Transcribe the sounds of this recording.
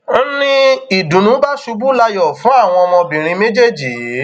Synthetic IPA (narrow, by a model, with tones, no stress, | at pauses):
nĩ˦i˨dũ˨nũ˨˦ba˦ʃu˧bu˦la˧jɔ˨fũ˨˦a˦˨w̃ɔ̃˧ɔ˧mɔ̃˧bĩ˨ɾ̃ĩ˧me˦d͡ʒe˦˨d͡ʒi˨